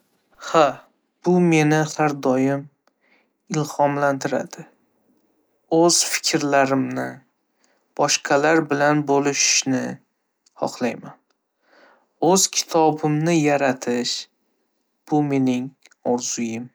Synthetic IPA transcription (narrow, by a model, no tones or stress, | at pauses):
ha | b̥ʊme̞nɪhaɾd̪ɒjɪm | ɪlhɒmlant̪ʰɪɾa̰d̪̥ɪ | ɵz̥fɪ̥kʲʰɾlaɾɪmnɪ | b̥ɒʃqʰɑlaɾbɪlanbolɪʃnɪ | hɒ̰χlˠajman | ɵz̥kʲʰɪ̥t̪ʰɒbɪmnɪjaɾat̪ʰɪʃ | b̥ʊme̞nɪŋ | ɒɾz̥ʊjɪm